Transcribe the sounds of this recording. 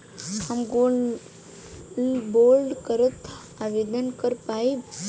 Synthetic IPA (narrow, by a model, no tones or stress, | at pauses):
hamɡo | bolɖkəɾət̪ | aʋed̪ənkəɾpai